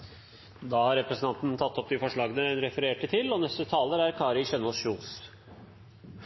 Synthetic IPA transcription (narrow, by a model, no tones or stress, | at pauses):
d̪ɑːhɑɾɛpɾəsənɑnt̪n̩t̪ʰɑt̪ːɔp̚d̪ɪfɔʂɭɑːɡənənɾɛfəɾeːʈət̪ʰɪlɔnɛst̪ət̪ʰɑːləɾæɾkʰɑːɾɪçœnosʃuːs